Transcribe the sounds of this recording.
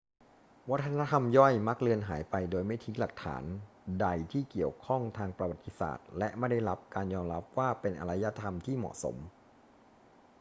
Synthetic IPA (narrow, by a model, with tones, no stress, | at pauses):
wa˦˥t̪ʰːa˧na˦˥t̪ʰa˧mjɔ˥˩jma˦˥k̚lɯ˧ənɦa̰ː˩˦jpa˧jdoː˧jma˥˩jt̪ʰi˦˥ŋla˨˩k̚t̪ʰa̰ː˩˦n | da˧jt̪ʰiː˥˩ki˨˩əwkʰɔ˥˩ŋt̪ʰaː˧ŋpɾa˧wa˨˩t̪ːi˦˥sa̰ː˨˩t̪̚lɛ˦˥ʔma˥˩da˥˩jla˦˥p̚kaː˧njɔː˧mɾa˦˥p̚waː˥˩pe˧nʔa̰˧ɾa˦˥ja˦˥t̪ʰa˧mt̪ʰiː˥˩mɔ̰˨˩ʔso̰˩˦m